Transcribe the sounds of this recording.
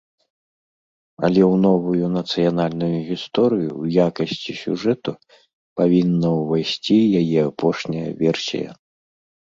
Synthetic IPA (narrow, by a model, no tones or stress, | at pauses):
ɐ̰lʲɛwnɔvujunɐt̪sɨjanalʲnujuɣʲist̪ɔɾɨjṵwjakɐsʲt͡sʲisʲṵʐɛt̪u | pavʲinːɐwvajsʲt͡sʲijajɛapʰɔʂnʲɐjɐ̰vʲɛrsʲḭjɐ̰